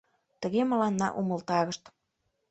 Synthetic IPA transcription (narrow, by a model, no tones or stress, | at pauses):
t̪əɣemə̆lɑnːɑ̰ʔuməlt̪ɑɣəʃt̪